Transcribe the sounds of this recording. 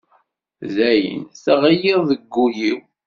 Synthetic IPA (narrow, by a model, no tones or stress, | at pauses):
zæjə̰nθəʁəjiʁðəɡːujiw